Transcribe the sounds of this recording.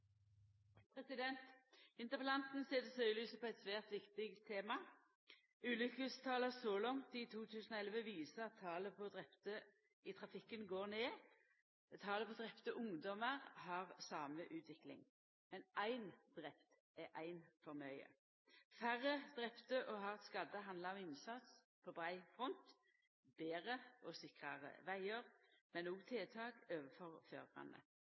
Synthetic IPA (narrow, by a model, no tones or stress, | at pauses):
pʰʁɛsɪd̪ɛnt̪ɪnt̪əpəlɑnt̪n̩seːd̪əsœʏlyːsəpʰɔɛɪt̪sʋæːʁt̪ʋɪkt̪ɪɡt̪ʰːeːmɑ | ʉːlʏkʉst̪ʰɑːləsɔlɔŋt̪ɪt̪ʰuːt̪ʰʉːsnɔɛlʋəʋiːsəʁɑt̪ʰːɑːləpʰɔd̪ʁɛpt̪ə | ɪt̪ʰʁɑfɪkːənɡoːʁneː | t̪ʰːɑːləpʰɔd̪ʁɛpt̪əʔʊŋd̪ɔməʁhɑʁsɑːməʔʉːt̪ʰʋɪklɪ̰ŋ | mɛnæɪnd̪ʁɛpt̪ | ɛʔæɪnfɔʁmœʏə̰ | fæʁːəd̪̥ʁɛpt̪əʔɔɦɑʁɛt̪skɑd̪əɦɑnd̪lɑɔmɪnsɑt̪s | pʰɔbʁæɪfʁɔnt̪ | beːʁəɔsɪkʁɑʁə̰ʋæɪəʁmɛnɔːɡt̪ʰeːt̪ʰɑːkøːʋəfɔʁfø̰ːʁbʁɑ̰nə̰